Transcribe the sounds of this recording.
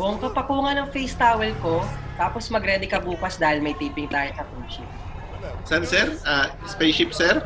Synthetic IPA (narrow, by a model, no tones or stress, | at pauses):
wɐŋkɐpɐkuːŋɐnɐŋfejst̪aːwɛlkot̪aːposmɐɡɾɛːd̪ɛkɐbuːkɐsd̪aːhɪlmɐjt̪iːpɪŋt̪aːjosɐpuʃɪp̚ | sɐnsɛɾʔa | spejʃɪp̚sɛɾ